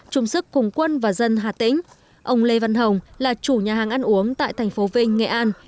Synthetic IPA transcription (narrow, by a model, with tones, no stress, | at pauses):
t͡ɕʊ˨˧ŋ͡msɨ˦˥kːʊ˨˩ŋ͡mkwə˧nvaː˨˩zə˧nɦaː˨˩t̪ḭ̈˧˥ŋ̟ | ʔə˧wŋ͡mle˧va˧nɦə˨˩wŋ͡mlaː˨˩t͡ɕu˧˩ɲaː˨˩ɦaː˨˩ŋʔa˧nʔu˨˦əŋt̪a̰ː˧˨jt̪ʰɛ˨˩jŋ̟fo˨˦vï˧ŋ̟ŋḛ˧˩ʔaː˧n